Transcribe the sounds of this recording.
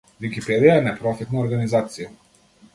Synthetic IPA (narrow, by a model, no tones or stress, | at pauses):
vikipɛd̪ijaɛnɛpɾɔfit̪naɔɾɡanizat̪sija